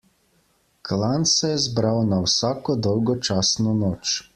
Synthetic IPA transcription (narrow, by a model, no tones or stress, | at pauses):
klansɛjɛzbɾawnawsaːkɔd̪ɔwɡɔt͡ʃaːsnɔnɔːt͡ʃ